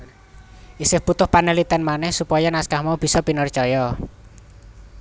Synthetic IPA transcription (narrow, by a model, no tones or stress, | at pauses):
ʔisɪhb̥ut̪ʊhpanelit̪ɛnmanɛhsupɔjɔnaskahmaub̥i̤sɔpinərt͡ʃɔjɔ